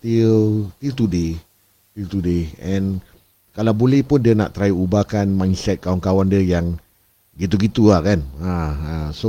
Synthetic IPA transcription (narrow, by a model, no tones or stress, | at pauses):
t̪ilt̪ilt̪ude | t̪ilt̪udeɛ̃n | kalawbolɛhpʊndiəna̰ʔt̪əɾajiubakanmãjnsɛt̪̚kawankawandiəjaŋ | ɡit̪̬uɡit̪uahkanaaso